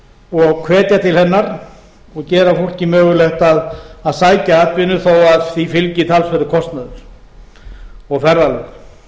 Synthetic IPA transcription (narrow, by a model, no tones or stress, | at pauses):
ɔɣkʰvɛːt̪jat̪ʰɪlhɛnːaɾ | ɔɣcɛːɾafowl̥cɪmœːɣʏlɛht̪aðaðsaːjcaaːt̪vɪnʏθowaðθifɪlcɪt̪ʰaːlsvɛɾʏkʰɔst̪naðʏɾ̥ | ɔɣfɛɾːalʏɣ